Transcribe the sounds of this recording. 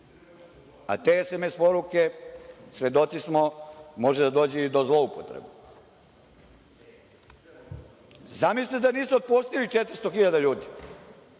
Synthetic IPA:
a̰t̪eːesemespo̞ɾuke̞sʋe̞d̪ot̪sismomo̞ʒed̪ad̪oːd͡ʑɛd̪ozlˠo̞upot̪ɾḛbe | zamislid̪aniːsuod̪̚post̪ilit͡ʃet̪ɾ̩st̪oxiʎad̪aʎuːd̪i

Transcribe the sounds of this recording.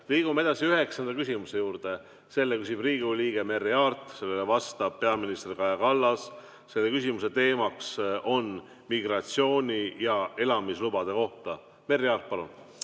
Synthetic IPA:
liːɡ̥umee̞d̪̥ɑsiyɦe̞ksɑnd̪ɑkysʲimuse̞juːɾd̪̥e̞ | se̞lːekysib̥riːɡuliːɡ̥e̞me̞rːiɑrt̪ˑse̞lːelevɑst̪ɑb̥̚pe̞ɑminist̪erkɑjɑkɑlːɑsː | e̞lːe̞kysʲimuse̞t̪e̞ːmɑkso̞n | miɡ̥ɾɑt̪sio̞ːnʲijɑe̞lɑmislubɑd̪̥e̞ko̞ht̪ɑ | me̞rːiɑːrt̪̚pɑlun

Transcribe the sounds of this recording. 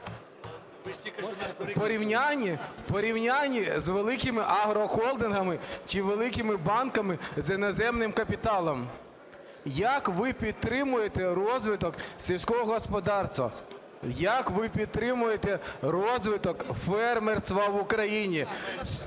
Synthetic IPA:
pɔɾʲiwnʲanʲːipɔɾʲiwnʲanʲːizʋelˠɪkɪmɪʔɐɦɾɔxɔlˠd̪ɪnɦɐmɪt͡ʃɪʋelˠɪkɪmɪbɑnkɐmɪzinɔzɛmnɪmkɐpʲit̪ɑlˠɔm | jɐkʋɪpʲid̪̚t̪ɾɪmʊjet̪ɛɾɔzʋɪt̪ɔksʲiwʲsʲkɔɦɔɦɔspɔd̪ɑrst̪ʋɐ̰ | jakʋɪpʲid̪̚t̪ɾɪmʊjet̪ɛɾɔzʋɪt̪ɔkfɛrmerst̪ʋɐʋʊkɾɐjinʲi

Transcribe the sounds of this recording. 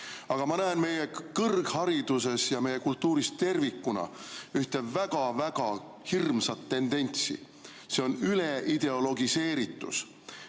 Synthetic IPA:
ɑɡ̥ɑmɑnæenme̞jekɤrɡ̥hɑɾid̪̥use̞sjɑme̞je̞kult̪ːuːɾist̪e̞rvikːˑunɑ̰yht̪e̞væɡ̥ɑvæɡ̥ɑ | hirmsɑt̪ːe̞nd̪̥e̞nʲt̪sḭ | se̞o̞nyleʔid̪̥e̞o̞lo̞ɡise̞ːɾit̪ːˑṵs

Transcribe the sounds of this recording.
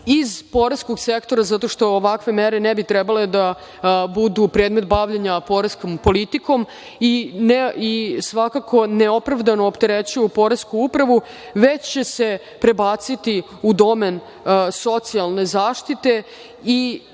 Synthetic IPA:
izpo̞ɾeskoɡsekt̪o̞ɾazat̪o̞ʃt̪o̞ːʋakʋe̞meɾenɛbit̪ɾɛbale̞d̪a | bud̪upɾeːd̪me̞t̪̚baʋʎeɲapo̞ɾeskompo̞lit̪iko̞m | ineisʋakakʰo̞neo̞pɾaʋd̪anoːpt̪eɾet͡ɕuupo̞ɾeskuupɾaʋu | ʋet͡ɕt͡ɕe̞se̞ | pɾe̞baːt̪sit̪i | ud̪o̞men | so̞t̪sialˠne̞zaːʃt̪it̪e̞ | i

